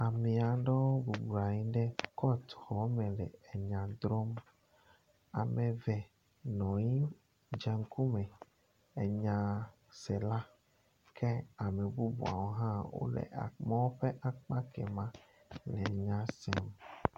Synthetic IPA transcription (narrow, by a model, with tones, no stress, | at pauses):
a˨mĩ˨a˨ɖɔ˦wo˦bu˨bu˨a˨ɲĩ˦ɖɛ˦kɔ˦t̪xɔ˨˦mɛ˨lɛ̰˨e˨ɲã˨d̪ɾɔ˦m | a̰˨mẽ˨vɛ˨ | nɔ̃˨ɲĩ˦ | d͡ʒɛ˨ŋ̩˦ku˦mɛ̃˨ | e˨ɲã˨ | sɛ˨la˦ | kʰɛ˦a˨me˨bu˦bṵ˨a̰˨wo˦ɦã˦wo̰˦lɛ̰˨a̰˨mã˦wo˦ɸe˦ʔa˨k͡pa˦kɛ̰˨mã˦ | lɛ˨ɲã˦sɛ˦m